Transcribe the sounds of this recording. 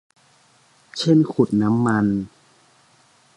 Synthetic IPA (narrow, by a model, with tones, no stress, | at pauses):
t͡ɕʰe˥˩nkʰu˨˩t̪̚na˦˥mːa˧n